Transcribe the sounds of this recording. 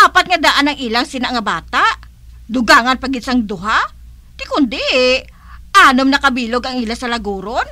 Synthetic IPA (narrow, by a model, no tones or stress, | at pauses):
aːpɐt̪̚ŋad̪aʔanɐŋʔɪlaŋsɪnaŋɐbaːt̪aʔ | d̪ʊɡaːŋɐnpɐɡɪsaŋd̪ʊɦa | k̪ɪkʊnd̪ɛʔ | ʔaːnomnɐkɐbiːloɡɐŋɪlasɐlɐɡuːɾon